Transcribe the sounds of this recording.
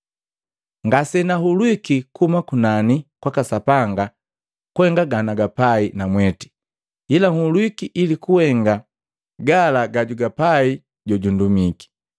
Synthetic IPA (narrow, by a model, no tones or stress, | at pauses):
ŋɡasɛnaɦulwikikʰumakunanikwakasapaŋɡa | kuɛŋɡaɡanaɡapainamwɛti̥ | ilaŋ̩ulwikiʔilikuwhɛŋɡa | ɡalaɡaɟuɡapai | ɟɔɟundumiki̥